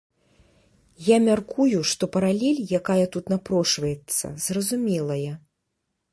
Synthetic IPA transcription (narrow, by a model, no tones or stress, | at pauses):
jamʲarkujuʂt̪ɔpɐɾalʲɛlʲjakajɐt̪ut̪napɾɔʂvɐjɛt̪sːɐ̰zrɐzumʲɛlˠɐjɐ